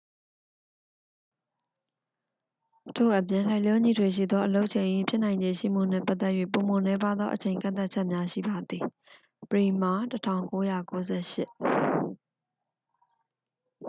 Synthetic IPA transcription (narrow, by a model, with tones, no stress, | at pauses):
tʰo̰˦˨ʔə˨pjɪ̃˨l̥a˦ɪlɔ˦ɲḭ˦˨dwe˨ʃ̬ḭ˦˨d̪ðɔ˦ʔəlo˦ʊʔət͡ɕʰẽ˨ɪ̃ʔi˦pʰjɪ˦ʔnã˨ɪ̃ɲd͡ʑẽ˨ʃḭ˦˨m̥ṵ˦˨n̥ɛ̰˦˨pa˦ʔ̪t̪ɛ˦ʔjɥḛ˦˨po˨mo˨nɛ˦pa˦d̪ðɔ˦ʔət͡ɕʰẽ˨ɪ̃ŋkã̰˦˨nt̪a˦ʔ̚t͡ɕʰɛ˦ʔmja˦ʃḭ˦˨ba˨d̪i˨ | pəɹi˨m̥a˦˨tətʰã̰˦˨ʊ̃ŋko˦ja˦˨ko˦zɛ̰˦˨ʃɪ̰˦ʔ